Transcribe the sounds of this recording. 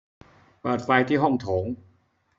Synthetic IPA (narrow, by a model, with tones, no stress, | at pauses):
pɤː˨˩t̪̚fa˧jt̪ʰiː˥˩ɦɔ˥˩ŋt̪ʰoː˩˦ŋ